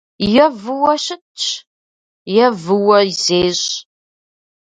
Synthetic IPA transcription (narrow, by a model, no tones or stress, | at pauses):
jɐvɨwɐɕɪtt͡ʃ | jɐvɨwɐzeːɕ